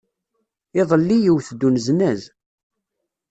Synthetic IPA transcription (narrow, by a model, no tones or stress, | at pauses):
ɪðˤəlːijiwθd̪ːunznæz